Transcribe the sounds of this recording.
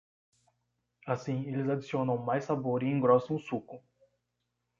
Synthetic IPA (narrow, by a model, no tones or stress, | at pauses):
asĩelɪzad͡ʒisiõnɐ̃w̃majsːaboɾiẽŋɡɾɔsɐ̃ʊsukʊ